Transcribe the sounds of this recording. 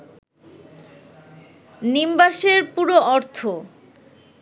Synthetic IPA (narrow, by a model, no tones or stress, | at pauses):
nimbaʃeɾpuɾoɔɾt̪ʰo